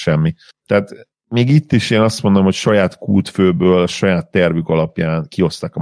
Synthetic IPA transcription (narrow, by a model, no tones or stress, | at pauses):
ʃɛmːi | t̪ɛːt̪ | miːɡit̪ːiʃeːnɒst̪mo̞nd̪omhocʃɒjaːt̪kuːt̪føːbøːlɒʃɒjaːt̪ːɛrvykɒlɒpjaːnkio̞st̪aːkɒ